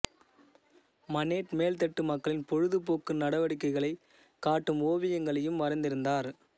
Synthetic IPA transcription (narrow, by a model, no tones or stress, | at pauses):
mɐneːʈmeːlt̪̬ɛʈːɯmɐkːɐɭɪnpɔɻɯðɯpoːkːɯmnɐɽɐʋɐɽɪkːɐɪɣɐɭɐɪ | kaːʈːɯmoːʋɪjɐŋɡɐɭɐjɯmʋɐɾɐɪnd̪ɪɾɯnd̪aːɾ